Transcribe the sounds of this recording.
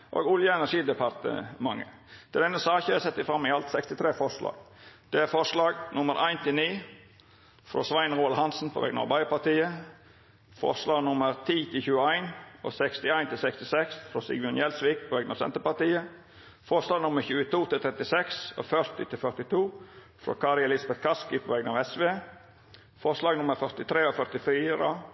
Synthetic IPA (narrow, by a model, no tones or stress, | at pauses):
ʔo̰ːɡʊljəɛnæʂiːd̪ɛpʰɑɾt̪ə̰mɑŋə̰ | t̪ʰɪld̪ɛnːəsɑːçəæsɛt̪ːɪfɾɑmːɪɑlt̪sɛkst̪ɪt̪ʰɾeːfɔʂlɑ̰ːɡd̪̥ɛæɾfɔʂlɑːɡnʊməɾʔæ̰ɪnt̪ʰɪlniː | fɾo̰sʋæɪnɾuːɑlhɑnsn̩pʰɔ̰ʋɛ̰ɡnɑ̰ɾbɑɪpɑt̪iːə | fɔ̰ʂlɑːɡnʊməɾt̪ʰiːt̪ʰɪlçʉːəæɪno̰ːsɛkst̪ɪæɪnt̪ʰɪlsɛkst̪ɪsɛksfɾoːsɪ̰ɡmʊnjɛlsʋɪːk̚pʰoːʋɛɡənɑːʋsɛ̰nt̪əɾpɑɾt̪iːə | fɔʂlɑːɡnʊməɾçʉːət̪ʰuːt̪ʰɪlt̪ʰɾɛt̪ɪsɛkso̰ːfœɾt̪ɪt̪ʰɪlfœɾt̪ɪt̪ʰuː | fɾo̰ːkʰɑːɾɪɛlɪsbɛt̪̚kʰɑskɪpʰoːʋɛɡənɑːʋɛsʋeː | fɔʂlɑːɡnʊməɾfœɾt̪ɪt̪ʰɾeːoːfœɾt̪ɪfiːɾə